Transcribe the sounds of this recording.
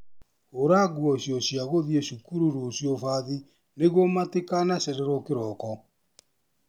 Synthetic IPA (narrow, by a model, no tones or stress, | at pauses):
oɾaɣwɔɕjɔɕjaɣoðieɕukuɾuɾuosjɔfaði | neɣomatekanasɛɾɛɾɔkeɾɔkɔ